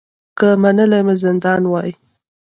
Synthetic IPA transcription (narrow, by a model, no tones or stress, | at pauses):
kəmanəlajmazɪnd̪ɑnwɑji